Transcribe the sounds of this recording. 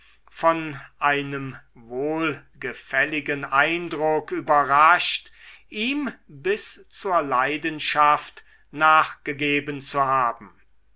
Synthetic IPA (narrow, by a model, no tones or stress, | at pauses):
fɔnʔaɪnəmvoːlɡəfɛlɪɡənʔaɪndʁʊkyːbɐʁaʃtʔiːmbɪst͡suːɐlaɪdənʃaft | naːχɡ̥əɡeːbənt͡suɦaːbm̩